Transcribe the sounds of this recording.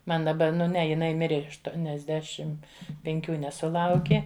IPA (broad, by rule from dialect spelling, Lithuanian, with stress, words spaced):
ˈmɐn dɐˈbɐ ˈnʊ ˈnʲɛ jɪˈnɐɪ ˈmʲɪrʲeː ɐʃtuɔnʲɛzʲˈdʲæːʃʲɪm pʲɛŋʲˈkʲuː nʲɛsʊˈlˠɐʊkʲɪ